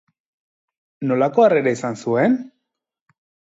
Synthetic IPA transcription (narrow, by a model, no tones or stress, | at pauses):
no̞lako̞areɾeisansue̞n